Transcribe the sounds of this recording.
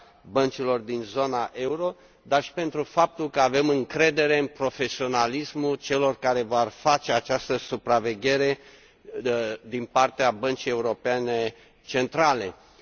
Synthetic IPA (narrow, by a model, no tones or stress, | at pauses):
bənt͡ʃilo̞rd̪inzo̞naʔe̞uɾo̞ | d̪arʃi̥pe̞nt̪ɾufap̚t̪ulkəave̞mɨŋkɾe̞d̪e̞ɾe̞ɨnpɾo̞fe̞sio̞nalismult͡ʃe̞lo̞rkaɾe̞vorfat͡ʃe̞at͡ʃast̪əsupɾave̞ɡʲe̞ɾe̞ | d̪inpart̪eabənt͡ʃije̞uɾo̞pe̞ne̞ | t͡ʃe̞nt̪ɾale̞